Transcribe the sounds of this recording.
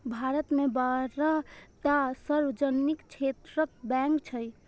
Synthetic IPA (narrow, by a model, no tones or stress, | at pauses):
bʱaɾət̪mebaɾat̪asəɾwəd͡ʒənikt͡ʃʰet̪ɾək̚bɛ̃ŋkt͡ʃʰəj